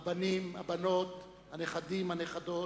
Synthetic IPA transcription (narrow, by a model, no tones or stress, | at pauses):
banimabanot̪ | haneχad̪imhaneχad̪o